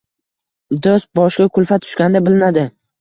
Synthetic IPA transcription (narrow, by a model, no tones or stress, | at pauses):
d̪os̚bɒʃkʲakʰʊlˠfat̪ʰʊ̥ʃkʲand̪abɪlɪnad̪ɪ